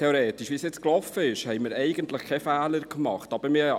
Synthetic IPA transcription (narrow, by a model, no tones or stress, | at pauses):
ɛoɾeːtɪʃʋisjɛt͡sklɔfəɪʃhɛjmɪːɾɛɪɡənt̪ləχkʰɛfæːləɾkmɑ̰χtɑb̥əɾmɪ